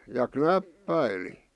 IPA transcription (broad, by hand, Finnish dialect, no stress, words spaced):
jɑ knæpːæili